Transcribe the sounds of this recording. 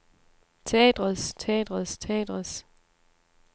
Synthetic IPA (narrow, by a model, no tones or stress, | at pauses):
t͡sʰɛ̰ːd̥ʁɐst͡sʰɛ̰ːd̥ʁɐst͡sʰɛ̰ːd̥ʁɐs